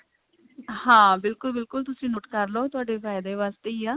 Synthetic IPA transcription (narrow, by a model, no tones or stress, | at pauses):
hãːbɪlkʊlbɪlkʊlt̪ʊsĩːnʊʈkəɾloːt̪ʊaːɖeːpʰaːɪd̪eːʋaːst̪eːiːaː